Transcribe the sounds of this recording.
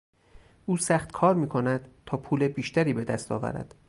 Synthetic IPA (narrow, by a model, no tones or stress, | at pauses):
ʔuːsæχt̪kʰɒːɾmiːkʰo̞næd̪̥t̪ʰɒːpʰuːlebiːʃt̪ʰæɾiːbe̞d̪æst̪ɒ̰ːvæ̰ɾæ̰d̪̥